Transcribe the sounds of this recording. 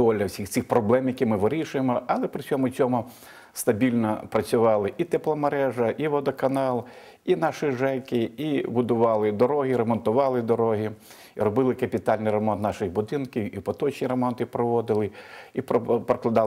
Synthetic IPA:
ɔlʲːɐwsʲixt̪sɪxpɾɔblˠɛmjɐkʲimɪʋɪɾʲiʃʊjemɔɐlˠɛpɾɪt͡sʲsʲɔmʊt͡sʲɔmʊ | st̪ɐbʲilʲnɔpɾɐt͡sʲʊʋɑlˠɪʔit̪ɛplˠɔmɐɾɛʒɐʔiʋɔd̪ɔkɐnɑlˠ | inɑʃɪʒɛkɪibʊd̪ʊʋɑlˠɪd̪ɔɾɔɦiɾɐmɔnt̪ʊʋɑlˠɪd̪ɔɾɔɦi | ɾɔbɪlˠɪkɐpʲɪt̪ɑlʲnɪjrɐmɔnt̪nɑʃɪjbʊd̪ɪnkʲiwipɔt̪ɔt͡ʃnʲiɾɐmɔnt̪ɪpɾɔʋɔd̪ɪlˠɪipɔpɾɐklˠɐd̪ɑl

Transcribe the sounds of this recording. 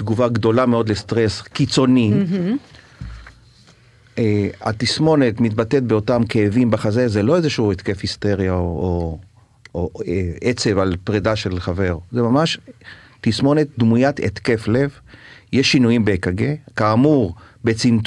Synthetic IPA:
d̪̥ɡuvaɡd̪o̞lameo̞d̪lest̪ʁeskit͡so̞ni | ea̰t̪ismo̞net̪mit̪bat̪et̪̚beo̞tamkeːvimbaχazezelo̞ezeʃuet̪kefhist̪e̞ʁjao | oeet͡se̞valpʁedaʃe̞lχave̞ʁzemamaʃ | tismo̞net̪̚d̪mujat̪ḛt̪ke̞flevjeʃːinujimbekaɡekaːmuʁbe̞t͡sint

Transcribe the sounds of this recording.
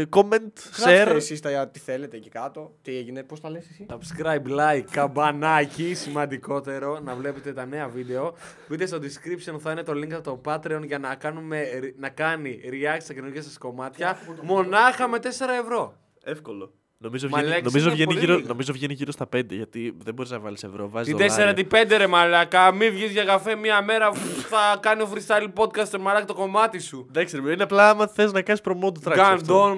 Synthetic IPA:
koment̪seɾesist̪ɐɐt̪i̥θelet̪ecikɐt̪o̞t̪ieʝineposɐlessit̪ɐpskɾɐjblɐjkːɐbɐnɐecisimɐnd̪iko̞t̪e̞ɾo̞nɐvle̞pet̪e̞t̪ɐne̞ɐvid̪e̞o̞pit̪est̪o̞d̪iskɾipso̞nθɐinet̪o̞liŋkt̪t̪o̞pɐt̪ɾeo̞nʝɐnɐkɐnume̞nɐkɐniɾiɐsst̪ɐkenoʝesɐsko̞mɐt̪çɐmo̞nɐxɐme̞t̪e̞se̞ɾɐe̞vɾo̞ | efkolo̞ | no̞mizovʝmɐlɐnomizovʝeniʝiɾono̞mizovʝeniʝiɾo̞st̪ɐpe̞nd̪e̞̰ʝɐt̪iðebo̞ɾiznɐvɐ̰lise̞vɾovɐziit̪eseɾɐt̪ipe̞nd̪eɾemɐlɐkɐmivʝizʝɐɣɐfemiɐme̞ɾɐpuθɐkɐnio̞fɾist̪ɐlipo̞d̪̚kɐst̪emɐlɐkɐt̪o̞ko̞mɐt̪isuðɐkseɾimineɐplɐɐmɐθeznɐkɐnispɾomod̪ot̪ɾɐɡɐnd̪on

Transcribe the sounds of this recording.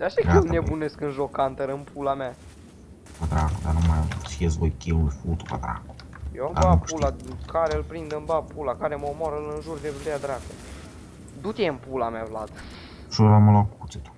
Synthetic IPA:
d̪aʃaɡelnebune̞skɨnʒo̞kːant̪əɾɨmpʰulama | pəd̪ɾakud̪anumajt͡ʃiesvojkʲilujfut̪u̥pəd̪ɾa̰ku̥ | jewamd̪abapulakaɾeɨlpɾind̪ɨnbapulakaɾemomoaɾəlɨnʒurd̪evulead̪ɾako | d̪ut̪ʲeɨmpulamavlat̪ | ʃuɾaməlakukut̪t͡s̪et̪u̥

